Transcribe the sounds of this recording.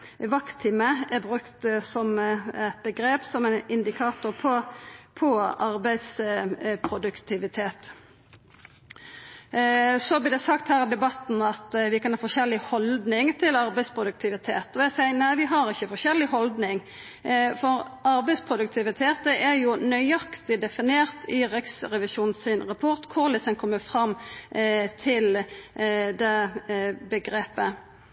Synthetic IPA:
ʋɑkt̪ʰɪməʔæbɾʉkt̪sɔmɛt̪̚bəɡɾeːpsɔmɛnɪnd̪ɪkʰɑːt̪ʊʁpʰɔpʰɔɑɾbæɪd̪spʰʁʊd̪ʉkt̪ʰɪʋɪt̪ʰeːt̪ | sɔɑblɪd̪ɛsɑkt̪hæːʁɪd̪ɛbɑt̪n̩ɑt̪ʋɪkɑnhɑːfɔʃɛlːɪhɔld̪nɪŋt̪ʰɪlɑʁbɛɪspʰʁʊd̪ʉk̚t̪ʰɪʋɪt̪ʰḛːt̪ɔæsæɪnæɪʋɪɦɑʁɪçəfɔʁʃɛlːɪhɔld̪nɪŋ | fɔʁɑɾbɛɪspʰʁʊd̪ʉk̚t̪ʰɪʋɪt̪ʰeːt̪əʔæjʊnœʏɑkt̪ɪd̪ɛfɪneːʁt̪ʰɪʁɛksʁɛʋɪʃuːnn̩sɪnʁɑpʰɔʁt̪kʰʊʁlɪsənkʰɔmːəfʁɑmː | t̪ʰɪl | d̪ɛ | bəɡʁeːpə

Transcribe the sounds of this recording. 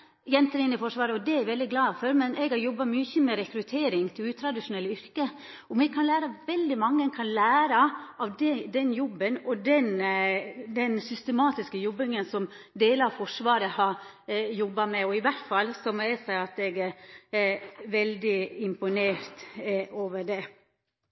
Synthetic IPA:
jɛnt̪əɾɪnːɪfɔʂʋɑːɾəɔd̪ɛæɾʋɛld̪ɪɡlɑːføɾmɛnʔɛɡhɑɾjɔbːɑmyçəmɛɾɛkɾʉt̪ʰeːɾɪŋt̪ʰɪlʉːt̪ʰɾɑd̪ɪʂʊnɛlːʏɾkə | ɔmɛɡkʰɑnlæːɾɑʋɛld̪ɪmɑŋːənkʰɑnlæːɾɑʔɑʋd̪ɛd̪ɛnjɔbːənɔd̪ɛn | d̪ɛnsʏst̪əmɑːt̪ɪskəjɔbːɪŋənsɔm | d̪eːləɑʋfɔʂʋɑːɾəhɑɾ | jɔbːɑmɛɔɪʋæʈfɑlːsɔmɔɛsæɪɑt̪ɛɡæɾ | ʋɛld̪ɪɪmpʊneːɾt̪oːʋəɖɛ

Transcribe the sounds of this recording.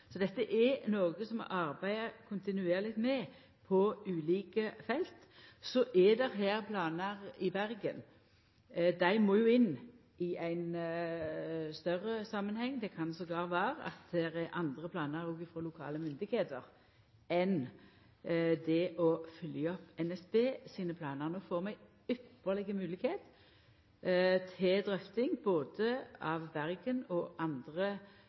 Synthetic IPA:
sɔd̪ɛt̪ːəʔɛnoːɡəsɔmɑɾbæɪəkʰʊnt̪ɪnʉeːɾlɪt̪mɛ | pʰɔʉːliːkəfɛlt̪ | sɔʔɛd̪ɛɾɦæːɾpʰlɑːnəɾɪbæɾɡən | d̪æɪmoːjʊɪnː | ɪæɪn | st̪œɾəsɑmːənhɛŋːd̪ɛkʰɑnsɔɡlɑːʁʋæːɾəɑ̰t̪̚d̪ɛɾɛʔɑnd̪ʁəpʰlɑːnəɾɔɡɪfɾɔlʊkʰɑ̰ːləmʏnd̪ɪɡheːt̪əʁ | ɛn | d̪ɛʔɔfʏljəɔpɛnɛsbeːsiːnəpʰlɑːnəʁnəɔfoːʁmɛɡ | ʏpːəʁlɪɡəmʉːlɪkheːt̪ | t̪ʰɪd̪ʁœft̪ɪŋboːd̪əɑʋːæʁɡənɔʔɑnd̪ʁə

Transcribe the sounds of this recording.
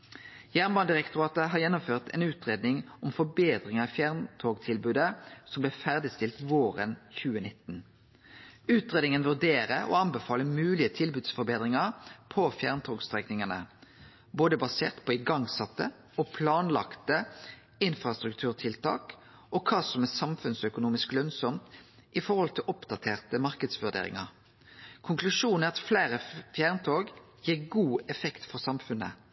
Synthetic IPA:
jæːʁnbɑːnd̪ɪʁɛkt̪ʊʁɑːt̪əɦɑʁjɛnːʊmføːʁt̪ɛ̰nʉːt̪ʁeːd̪nɪŋɔmfɔbeːd̪ʁɪŋəɑfjæʁnt̪ʰoːɡt̪ʰɪlbʉːd̪əsɔmblɛːfæʁd̪ɪst̪ɪlt̪ʋoːʁə̰nçʉːənɪt̪ːn̩ | ʉːt̪ʁeːd̪ɪŋənʋʉʁd̪eːʁəɔ̰ɑnbɛfɑːləmʉːlɪət̪ʰɪlbʉːd̪sfɔɾbeːd̪ʁɪŋɑʁpʰɔfjæːʁnt̪ʰoːɡst̪ʁɛknɪŋənə̰ | boːd̪əbɑseːʁt̪pʰɔɪɡɑŋsɑt̪ːə | ɔpʰlɑːnlɑ̰kt̪ə | ɪnfʁɑst̪ɾʉkt̪ʰʉːʁt̪ʰɪlt̪ʰɑ̰ːk | ɔkʰɑːsɔmɛsɑmfʉnsœkʊnuːmɪsklœnsɔmt̪ | ʔɪfɔɾhɔlt̪ʰɪlʔɔpd̪ɑt̪ʰeːʁt̪əmɑʁkəd̪sʋʉɖ̪ḛːɾɪ̰ŋɑ̰ʁ | kʰʊŋklʉʂuːnɛɾɑt̪fleːɾəfjæːʁnt̪ʰoːɡ | jiːʁɡuːɛfɛkt̪fɔʁsɑmfʉnə̰

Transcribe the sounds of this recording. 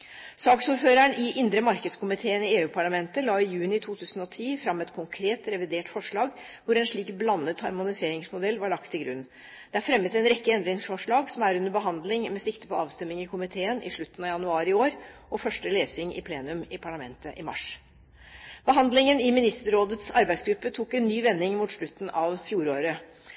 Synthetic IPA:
sɑːksuːɾføːɾæɳɪʔɪnd̪ɾəmɑɾkəd̪skʰʊmɪt̪ʰeːənɪeːʉːpʰɑɭɑmɛnt̪əlɑːɪjʉːnɪt̪ʰuːt̪ʰʉːsən̩ɔt̪ʰiːfɾɑmːɛt̪kʰʊŋkʰɾeːt̪ɾɛʋɪd̪eːʈfɔʂɭɑːɡ | ʋʊɾɛnʂɭiːkblɑnːət̪hɑɾmʊnɪseːɾɪŋsmʊd̪ɛlːʋɑɭɑkt̪ʰːɪlɡɾʉ̰nː | d̪̥ɛæɾfɾɛmːət̪ɛnɾɛkːəɛnd̪ɾɪŋsfɔʂɭɑːɡsɔmæɾʉnd̪əbəɦɑnd̪lɪŋmɛsɪkt̪əpɔɑːʋst̪ɛmːɪŋɪkʰʊmɪt̪ʰeːənʔɪ̰ʂɭʉt̪ːənɑʋjɑnʉɑːɾɪoːɾʔɔfœʂʈəleːsɪŋɪ̰pʰleːnʉmɪpʰɑɭɑmɛ̰nt̪əʔɪmɑ̰ʂ | b̥əɦɑnd̪lɪŋənɪmɪnɪst̪əɾoːd̪ət̪sɑɾbæɪsɡɾʉpːət̪ʰuːkɛnːyːʋɛnːɪŋmuːt̪ʂɭʉt̪ːn̩ɑʋfjuːɾoːɾə

